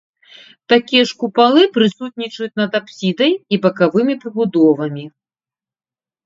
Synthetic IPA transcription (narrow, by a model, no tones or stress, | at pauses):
t̪akʲijɛʂkupalˠɨpɾɨsut̪̚ʲnʲit͡ʂɐjut͡sʲnɐd̪apsʲid̪ɐjibɐkavɨmʲipɾɨbud̪ɔvɐmʲi